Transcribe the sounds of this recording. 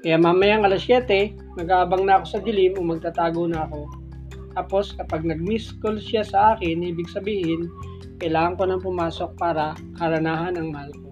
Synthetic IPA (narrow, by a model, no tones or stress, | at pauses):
kɐjamamɐjaŋʔɐlasjɛːt̪ɛ | nɐɡaːbɐŋnɐɐko̞sɐd̪ɪlɪnʊŋmɐɡ̚t̪at̪aːɡonɐːko̞ | t̪aːpo̞skɐpaɡ̚nɐɡ̚miskolsasɐʔaːkɪniːbɪɡsɐbiːhɪn | kɐjlaːŋɐŋko̞nɐŋpʊmaːso̞k̚paːɾɐ | kɐɾɐnaːɦɐnɐŋmɐhalko